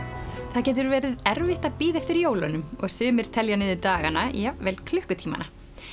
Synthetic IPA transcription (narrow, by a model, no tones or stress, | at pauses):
θaðcɛːt̪̬ʏɾvɛːɾɪðɛɾvɪht̪apiːðɛft̪ɪɾijoːwlanʏmɔɣsʏːmɪɾ̥t̪ʰɛljanɪðɪt̪aːɣanajɛvɛːlkʰlʏhkʏt̪ʰiːma̰na